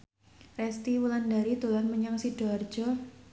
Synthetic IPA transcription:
rɛst̪iwulandaɾit̪ulanməɲaŋsid̥ɔr̥d͡ʒ̥ɔ

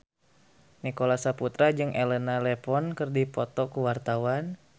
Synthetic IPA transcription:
nikolasaput̪ɾad͡ʒɨŋʔɛlɛnalɛpɔnkɨrdipɔt̪ɔkuwart̪awan

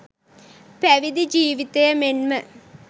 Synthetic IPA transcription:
pɐʋid̪id͡ʑiːʋit̪ːɐjɐmenmɐ

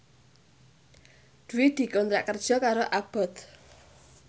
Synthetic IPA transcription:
d̪̥uwɪd̪̥i̤kɔnt̪ɾa̰ʔkərd̥ʒ̥ɔ̤kaɾoʔab̥ɔt̪

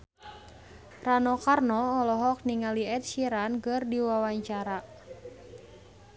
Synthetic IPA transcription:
ranɔkarnɔːlɔɦɔk̚niŋaliɛt̪̚ʃiɾankɨrdiwawaɲt͡ʃaɾa

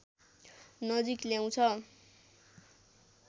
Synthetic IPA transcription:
nʌd͡zikljaw̃t͡sʰʌ

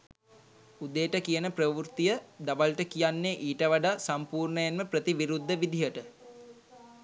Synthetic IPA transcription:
ud̪eːʈəkijənəprəʋurt̪ijəd̪aʋalʈəkijanːeʔiːʈəʋaɖaːsampuːrɳəjanməprət̪iʋiɾud̪ʱːəʋid̪ʱijəʈə

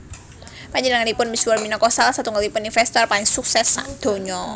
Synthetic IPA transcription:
paɲd͡ʒinaŋalipʊnmisualminakɔsalsat̪uŋalipʊninfɛst̪ɔrpaliŋsuksɛsad̪̥o̤ɲɔ

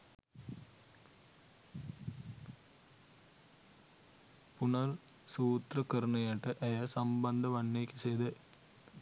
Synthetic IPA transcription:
punɐɾ | suːt̪rɐkɐɾnɐjɐʈːɐʔɐjɐsɐmbɐnd̪ɐʋɐnːeːkːɐseːd̪e

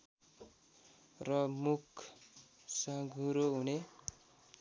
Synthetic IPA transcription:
rʌmukʰ | sʌɡʱuɾoɦune

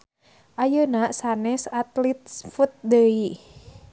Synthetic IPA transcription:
ʔajənaʔsanɛsat̪lit̪̚fut̪̚dəi

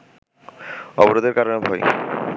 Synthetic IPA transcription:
ɔboɾod̪eɾkaɾonebʱɔj

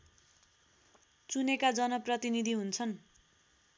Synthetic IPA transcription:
t͡sunekad͡zʌnʌprʌt̪inid̪ʱiɦunt͡sʰʌn

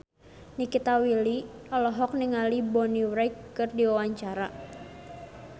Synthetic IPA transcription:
nikit̪awiliɔlɔɦɔk̚niŋalibɔniwɾajkːɨrdiwawaɲt͡ʃaɾa

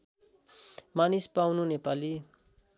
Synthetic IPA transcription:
manispawnunepali

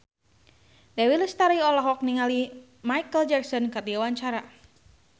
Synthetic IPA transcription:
dɛawiləst̪aɾiɔlaɦwak̚niŋali | majkəld͡ʒaksɔnkat̪iawaɲt͡ʃaɾa

